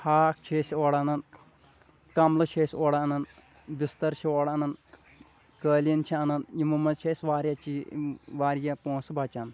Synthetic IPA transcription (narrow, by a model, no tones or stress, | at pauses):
haːkt͡ʃʰesioɽanɐn | kɐmlɐt͡ʃʰeːsʲoːɽaɐnɐn | bist̪ɐɾt͡ʃʰioːɽɐnɐn | kəːlijɐnt͡ʃʰiɐnɐnjimumɐt͡ʃʰeːsʲʋaːɾʲjat͡ʃiʋaːɾjɐpõːnsbɐt͡ʃɐn